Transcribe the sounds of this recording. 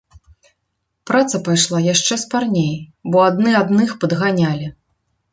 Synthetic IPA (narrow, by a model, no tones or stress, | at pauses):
pɾat̪sɐpajʂlˠajaʂt͡ʂɛsparnʲejbɔad̪nɨad̪nɨxpɐd̪ɣanʲalʲi